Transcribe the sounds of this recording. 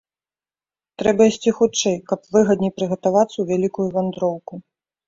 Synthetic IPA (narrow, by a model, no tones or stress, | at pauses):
t̪ɾɛbɐisʲt͡sʲixut͡ʂɛjkɐpvɨɣɐd̪nʲijpɾɨɣɐt̪avat̪sːɐwvʲalʲikujuvand̪ɾɔwku